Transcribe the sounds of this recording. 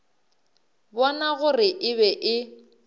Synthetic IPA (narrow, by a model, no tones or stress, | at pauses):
bɔnaɣʊrɪʔɪβɛʔɪ